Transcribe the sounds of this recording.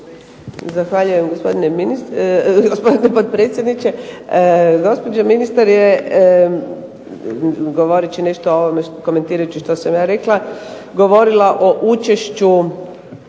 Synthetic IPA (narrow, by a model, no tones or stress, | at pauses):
zaxʋaʎujemɡospo̞d̪ineminisɡospod̪inepod̪̚pɾet̪sjed̪nit͡ʃe | ɡo̞spo̞d͡ʒaminist̪aɾje | ɡoʋo̞ɾit͡ʃine̞ʃt̪ooʋomeʃko̞me̞nt̪iːɾajut͡ʃiʃt̪o̞samjaːɾe̞kla | ɡo̞ʋo̞ɾilaʔo̞ʔut͡ʃe̞ʃt͡ʃu